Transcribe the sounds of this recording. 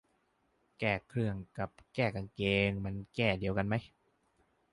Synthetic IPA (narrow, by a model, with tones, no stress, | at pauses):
kɛː˧˩kʰɾɯ˧˩əŋka˨˩p̚kɛː˥˩ka˧nkeː˧ŋma˧nkɛː˥˩di˧əwka˧nma˦˥j